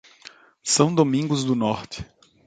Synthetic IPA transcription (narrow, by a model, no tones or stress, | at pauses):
sɐ̃w̃d̪omĩŋɡʊzd̪ʊnɔɾt͡ʃ̪ɪ̥